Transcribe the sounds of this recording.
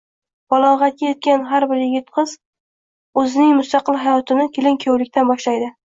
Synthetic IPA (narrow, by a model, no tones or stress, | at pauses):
b̥ɒlˠɒʁɑt̪̚kʲajet̪̚kʲanɦaɾbɪɾjɪɡʲɪt̪qʰɨz | ɵzɪnɪŋmʊst̪ɑqɨlˠɦajɒt̪ʰɪnɪkʲʰelɪŋkʲʰowlɪkʲt̪ʰanbɒʃlajd̪ɪ